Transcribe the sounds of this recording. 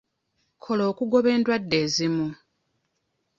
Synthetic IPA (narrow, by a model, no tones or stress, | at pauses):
kʰo̞lo̞ːkuɡo̞βe̞ːndwadːe̞ːzimu